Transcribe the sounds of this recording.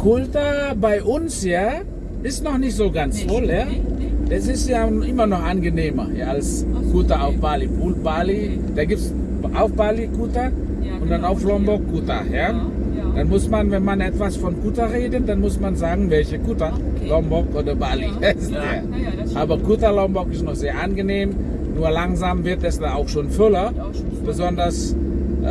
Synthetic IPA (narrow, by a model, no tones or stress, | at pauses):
kʰʊltɐbaɪʔʊnsjaː | ʔɪstnɔχnɪçtz̥oːɡant͡sfɔljad̥asɪstjaʔɪmɐnɔχʔanɡəneːmɐja̰ːalskutɐaʊfb̥aːlibulbaːli | d̥aːɡiːp̚ts | ʔaʊfb̥alikutɐ | ʔʊntd̥anaʊflɔmbɔkɡutɐ̰ja | d̥anmʊsmanvɛnmanɛtv̥asfɔnkutɐʁeːdədanmʊsmanzaːɡŋ̩vɛlçəkutɐlɔmbɔkʔoːdɐbaːlihaɪstdaːɐ | ʔaːbɐɡutɐlɔmbɔkɪstnɔχz̥eːɐʔanɡəneːm | nuːɐlaŋzaːmvɪɐtɛsd̥aaʊxʃoːnfʏlɐ | b̥əzɔndɐs